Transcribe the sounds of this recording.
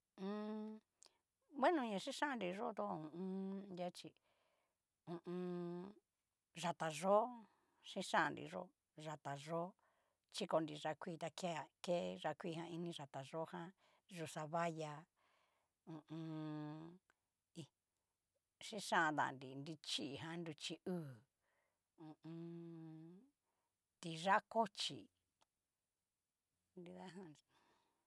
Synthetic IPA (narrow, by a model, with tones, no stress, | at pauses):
ũ˧ | βe˦nũ˧ɲã˧ʂi˦ʂã˦˧nɾi˧ʐo˦t̪o˦ũ˨ũ˦˧˦ja˦t͡ʃi˧ | ũ˧ʔũ˧ | ʐa˧t̪a˨ʐo˦ | ʂĩ˦ʂã˦˨nɾḭ˨ʐo̰˦ | ʐa˨t̪a˨ʐo˦ | t͡ʃi˦ko˧nɾi˨ʐa˧kʷi˦˨˧t̪a˧kke˦ʐa˧kʷi˦˧hã˧i˧nĩ˧ʐa˨t̪a˨ʐo˦hã˦ | ʐu˧sa˧βa˦ja˧ | ũ˨ũ˧ | i˧ | ʂĩ˦ʂã˦˧d̪a̰˨ndi˨ndi˧t͡ʃi˦˨ɦã˧˦nd̪u˧t͡ʃi˧ʔuː˦˨ | ũ˨ũ˧ | t̪i˧ʐa˦ko˦t͡ʃḭ˨ | ndi˧ða˦ɦã˦˧